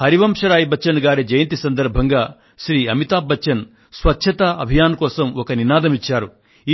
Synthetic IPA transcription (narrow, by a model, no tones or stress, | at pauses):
hɐɾiʋɐmʂɐɾaːjibɐt͡ʃːɐnɡaːɾid͡ʒɐjɐnt̪isɐnd̪ɐɾbʱɐŋɡaː | ʃɾiːɐmit̪aːbːɐt͡ʃːɐn | sʋɐtːʃʰɐt̪aʔɐbʱijaːnkɔːsɐmɔkɐninaːd̪ɐmit͡ʃːaːɾu | i